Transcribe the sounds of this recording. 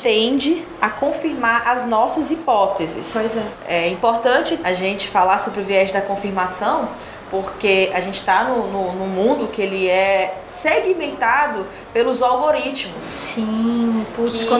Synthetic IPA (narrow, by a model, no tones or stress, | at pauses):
t̪ẽd͡ʒɪ | akõfiɾmaɾʔɐznɔsɐzipɔt̪ezɪ̰spojzɛɛĩpoɾt̪ɐ̃t͡ʃɪaʒẽnt͡ʃɪ̥falaɾsobɾɪʊviɛʒɪd̪ɐkõfiɾmasɐ̃w̃ | poɾkeaʒẽnt͡ʃɪ̥t̪anʊnʊnʊ̃mũnd̪ʊkɪelɪɛ | seɡimẽnt̪ad̪ʊ | pelʊzawɡoɾit͡ʃmʊssĩput̪skõ